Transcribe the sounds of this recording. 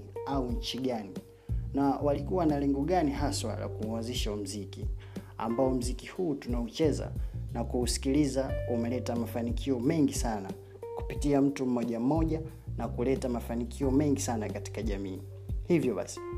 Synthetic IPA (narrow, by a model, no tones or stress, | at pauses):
auɲ̩t͡ʃiɠani | nawalikuwanalɛŋɡɔɠaniɦaswa̰la̰kuanziʃaum̩zikḭ | a̰mbaɔm̩zikihuːtunaut͡ʃɛza̰nakuːsi̥kilizaumɛlɛtamafanikʰiɔmɛŋɡisana | ku̥pitiam̩tum̩mɔʄam̩mɔʄa | nakulɛtamafanikʰiɔmɛŋɡisanakati̥kaʄamiː | hivjɔɓa̰si̥